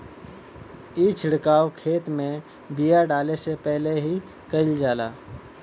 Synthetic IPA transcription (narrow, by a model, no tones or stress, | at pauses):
iːt͡ʃʰɪɽkaːwkʰeːt̪mẽ | bijaɖaːlesepɛɦleɦi | kəɪld͡ʒaːla̰ː